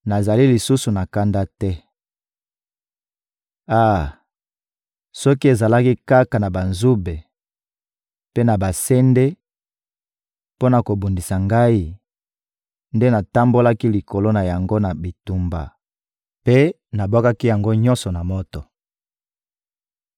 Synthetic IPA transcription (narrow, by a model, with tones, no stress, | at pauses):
na˨za˨li˦li˨su˦su˨na˨ka˦nda˦tɛ˦ | a˦˨ | sɔ˦ki˦e˨za˨la˦ki˦ka˦ka˨na˨ba˨nzu˦be˨ | pe˦na˨ba˨se˦nde˦ | po˦na˨ko˨bu˨ndi˨sa˨ŋɡa˦i˦ | nde˦na˨ta˦mbo˦la˦ki˦li˨ko˨lo˦na˨ja˨ŋɡo˦na˨bi˨tu˨mba̰˨ | pe˦ | na˨bo˦ka˦ki˦ja˨ŋɡo˦ɲɔ̃˦nsɔ˨na˨mo˦tɔ˨